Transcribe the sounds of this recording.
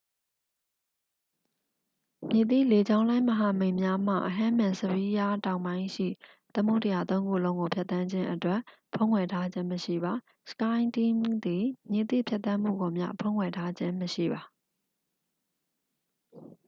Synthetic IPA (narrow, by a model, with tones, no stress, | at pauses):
mje˨t̪ḭ˦˨le˨d͡ʑã˦ʊ̃lã˦ɪ̃məɦa˨mẽ˨ɪ̃mja˦m̥a̰˦˨ʔəɦã˦mã˨səbi˦ja˦tã˨ʊ̃mbã˦ɪ̃ʃḭ˦˨ | t̪əmṵ˦˨tə˨ja˨t̪õ˦ʊ̃ŋɡṵ˦˨lõ˦ʊ̃ŋo˨pʰja˦t̪ã˦ɲd͡ʑɪ̃˦ʔətwɛ˦ʔ | pʰõ˦ŋkʰwɛ˨tʰa˦d͡ʑɪ̃˦məʃḭ˦˨ba˨ | sə̥kã˦ɪ̃ntĩ˦md̪i˨mje˨t̪ḭ˦˨pʰja˦t̪ã˦m̥ṵ˦˨ɡo˨mja̰˦˨pʰõ˦˨ŋkʰwɛ˨tʰa˦d͡ʑɪ̃˦məʃḭ˦˨ba˨